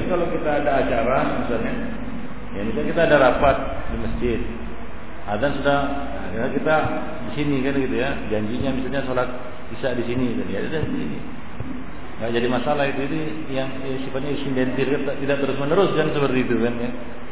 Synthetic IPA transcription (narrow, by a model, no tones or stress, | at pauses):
kalokit̪aːdaːt͡ʃaɾamisalɲa | janikakit̪aːdaɾapat̪̚diməsd͡ʒɪt̪̚ | ad̪ansudah | aknakit̪a | disinikankit̪uja | d͡ʒaɲd͡ʒiɲamisalɲasolat̪̚ | isadisinit̪anjat̪idat̪i | ŋɡaʔd͡ʒadimasalaɦit̪uid̪i | jaŋ | sifat̪̚ɲaidisindɛnt̪ɪlkant̪at̪idaʔt̪əɾʊsmənəɾʊskansəpərt̪iːt̪ukanja